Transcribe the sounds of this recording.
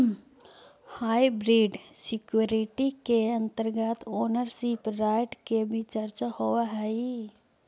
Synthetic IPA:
haːibɾiːɖsɪkjuɾiʈikeə̃nt̪əɾɡət̪oːnəɾsipɾaːɪʈkebʱit͡ʃəɾt͡ʃahowaɦɛi

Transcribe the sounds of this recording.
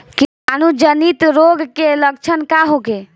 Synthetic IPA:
ki | ənud͡ʒənit̪ɾoɡkelək̚t͡ʃʰənkaɦoke

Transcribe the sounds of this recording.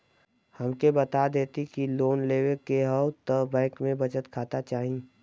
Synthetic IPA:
həmkebɐt̪ad̪eːt̪ikiloːnleːwekeɦəʊt̪əbɛ̃ːkmẽbɐt͡ʃət̪kʰaːt̪at͡ʃaːɦĩ

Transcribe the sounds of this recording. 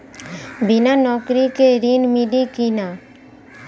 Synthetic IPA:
bɪnanɔːkɾikeɾinmiɖikina

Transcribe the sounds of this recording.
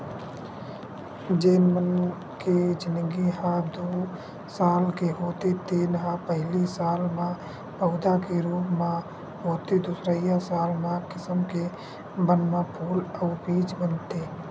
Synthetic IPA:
d͡ʒeːnmən | ked͡ʒɪnəɡiɦãd̪oː | saːlkeɦoːt̪et̪iːnɦãpəɦlisaːlmã | pəʊd̪akeɾuːpmã | ɦoːt̪ed̪ʊsɾəɪjãsaːlmãkɪsəmke | bənmãpʰuːləpiːt͡ʃbənt̪eː

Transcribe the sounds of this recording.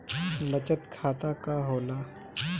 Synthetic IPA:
bɐt͡ʃət̪kʰaːt̪akaɦoːlaː

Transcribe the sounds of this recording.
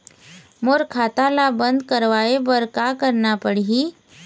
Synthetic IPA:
moɾkʰaːt̪alabə̃nd̪kɐɾʋaːebəɾkakəɾnapəɽiɦi

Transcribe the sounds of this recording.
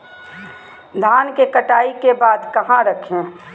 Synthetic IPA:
d̪ʱaːnkekɐʈaːikebaːd̪kɐɦãɾɐkʰẽ

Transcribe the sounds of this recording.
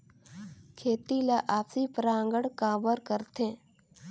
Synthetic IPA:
kʰeːt̪ilaʔaːpsipəɾãːŋɡəɽkaːbəɾkəɾt̪ẽ

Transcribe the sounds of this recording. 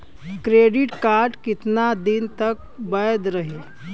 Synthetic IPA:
kɾeːɖɪʈkaːɾʈkɪt̪nad̪ɪnt̪ək̚bəjd̪ɾəɦeː

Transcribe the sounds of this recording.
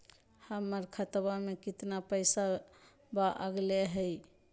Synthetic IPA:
həməɾkʰət̪bamekit̪napəɪsa | baʔəɡleɦəj

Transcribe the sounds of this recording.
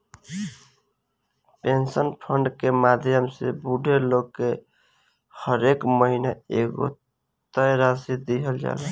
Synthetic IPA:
pensənpʰəɳɖkemad̪ʱjəmsḛbuɖʱeloɡkːe | həɾekməɦinaeɡo̰ | t̪əjɾasid̪iɦəld͡ʒa̰lɛ

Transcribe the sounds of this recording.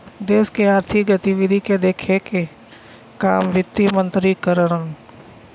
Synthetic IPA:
d̪eːskeaːɾt̪ʰikɡət̪iʋɪd̪ʱiked̪eːkʰeke | kaːmʋɪt̪ːimə̃nt̪ɾikəɾəɽən

